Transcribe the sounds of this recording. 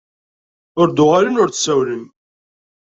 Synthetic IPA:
ʊɾd̪ʊʁaɾinʊɾθsæwlən

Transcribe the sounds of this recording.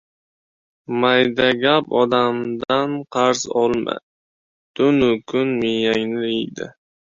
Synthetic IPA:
majd̪aɡʲapɒd̪amd̪anqʰɑɾzɒlˠma̰ | d̪̥ʊnʊkʰʊnmɪjaŋnɪijd̪ɪ̰

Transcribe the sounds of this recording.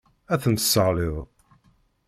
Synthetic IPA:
æθənt̪əsəʁlɪðˤ

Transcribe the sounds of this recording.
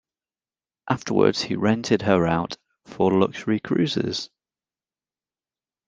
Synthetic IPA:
ʔaftəwə̰dz̥hḭɹɛ̃ntʰɪd̚əɹaʊt | fəlʊkʃəɹikʰɹ̥ʉːzɪ̰z̥

